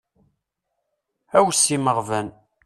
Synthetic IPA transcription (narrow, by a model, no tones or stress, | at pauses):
æwsːiməʁvən